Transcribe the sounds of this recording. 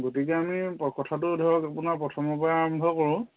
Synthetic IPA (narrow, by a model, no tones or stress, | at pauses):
ɡotik̬ɛamipɔkɔtʰatʊdʱɔɹɔkapunaɹpɹɔtʰɔmɔpɔjaaɹɔmbʱɔkɔɹũ